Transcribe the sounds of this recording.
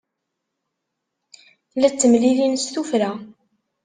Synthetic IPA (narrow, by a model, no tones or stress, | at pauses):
læt͡sːəmlilinsθufɾæ